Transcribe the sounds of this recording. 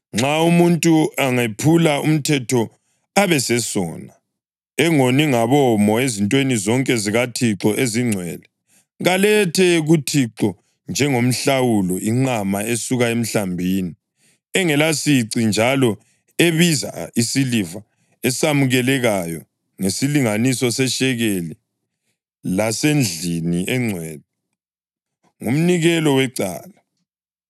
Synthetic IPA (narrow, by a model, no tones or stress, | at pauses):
ŋ͡ǁʱaumuntʼuaŋepʰulaṵm̩tʰɛtʰɔ | aβɛsɛsɔːna | ɛŋoniŋaβɔmɔezintʼwenizɔŋkʼɛziɣatʰiǁɔʔeziŋ͡ǀʱwɛ̰ːlɛ | ɣalɛtʰɛɣutʰiǁɔ | nd͡ʒʱɛŋom̩ɬawulɔiŋ͡ǀamaesuɣaem̩ɬambʱiːni | ɛŋɛlasiǀind͡ʒʱalɔ | eβiza̰isiliva | ɛsamuɣɛlɛɣajɔ | ŋesiliŋanisɔsɛʃɛɣeli | lasend͡ɮʱiniʔɛŋ͡ǀʱwɛd̚ɛ | ŋum̩niɣɛlɔwɛǀa̰ːla